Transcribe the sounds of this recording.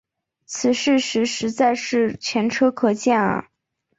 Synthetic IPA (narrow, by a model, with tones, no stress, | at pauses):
t͡sʰɹ̩˨˩ʂɻ̩˥˩ʂɻ̩˧˥ʂɻ̩˧˥t͡sa˥˧ɪʂɻ̩˥˩t͡ɕʰɥɛ˧˥nʈ͡ʂʰɤ˥kʰɤ˧˩t͡ɕjɛ˥˩nə̰˩